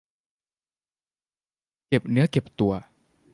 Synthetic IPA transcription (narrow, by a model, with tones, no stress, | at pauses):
ke˨˩p̚nɨ̰˦˥əke˨˩p̚t̪u˨˩ə